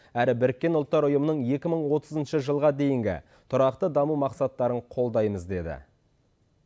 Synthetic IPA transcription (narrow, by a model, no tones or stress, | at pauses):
æɾɪbɪɾɪkʲːe̞nʊlˠt̪ːɑɾʊjəmənəɴje̞kʲɪməɴwo̞t̪əzənʃəʒəlˠʁɑd̪e̞jɪŋɡʲɪ̰ | t̪ʰʊɾɑqt̪əd̪ɑmumɑqsɑt̪ːɑɾəɴqʰo̞lˠd̪ɑjməzd̪e̞d̪ɪ̰